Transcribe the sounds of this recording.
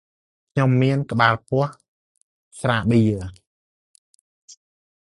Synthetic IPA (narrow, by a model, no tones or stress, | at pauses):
kʰɲomːiənkə̆ɓaːlpʊ̆əh | sraːɓiːə